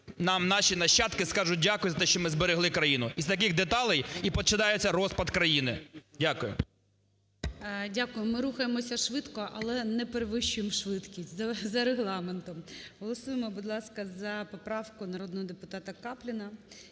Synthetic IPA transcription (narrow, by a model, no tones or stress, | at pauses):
nɑmnɑʃinɐʃt͡ʃːɑt̪kɪskɑʒʊt̚ʲdʲakʊjʊzɐt̪ɛʃt͡ʃɔmɪzbeɾeɦlˠɪkɾɐjinʊiz̥t̪ɐkɪɣd̪et̪ɑlˠɪjipɔt͡ʃɪd̪ɑjʊt͡sʲːɐɾɔspɐd̪kɾɐjinɪ̰dʲakʊjʊ̰ | dʲakʊjʊmɪɾuxɐjemɔsʲɐʃʋɪt̪kɔʔɐlˠɛnɛpeɾeʋɪʃʊjemʃʋɪt̪kʲisʲtʲzɐzɐɾeɦlˠɑment̪ɔmɦɔlˠɔsujemɔbʊd̪lˠɑskɐzɐpɔpɾɑwkʊnɐɾɔd̪nɔɦɔd̪epʊt̪ɑt̪ɐkɑplʲɪnɐ